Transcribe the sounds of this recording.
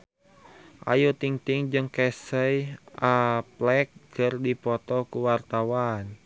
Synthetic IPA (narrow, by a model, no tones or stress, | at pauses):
ʔa̰jut̪iŋt̪iŋd͡ʒɨŋkɛsəjʔaplɛk̚kərdipɔt̪ɔkuwart̪awan